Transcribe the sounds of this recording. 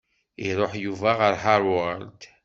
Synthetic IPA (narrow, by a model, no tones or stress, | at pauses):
iɾˤoħjuvaʁəɾħaɾwəɾt̪